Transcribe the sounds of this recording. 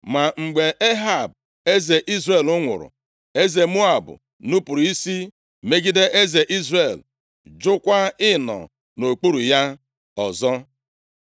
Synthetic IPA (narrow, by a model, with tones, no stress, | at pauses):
ma˨ŋ͡m̩˨ɡ͡be˨ʔe˦ɦa˦˨b̚ | e˦ze˨ʔi˦zre˨lʊ˦ŋʷʊ̰˨ɾʊ̰˨ | e˦ze˨mu˦a˨bʊ̰˨ | nu˦pu˨ɾi˦si˦ | me˦ɡi˦de˦ʔe˦ze˨ʔi˦zre˦˨l | d͡ʒʊ˦kʷa˦ɪ˦nɔ̰˨ | no˨k͡pu˦ɾu˨ja˦ | ɔ˨zɔ˦